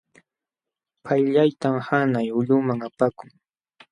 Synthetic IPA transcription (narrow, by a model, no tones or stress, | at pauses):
pʰajʎajt̪amhanajʊʎʊmaŋapakʊŋ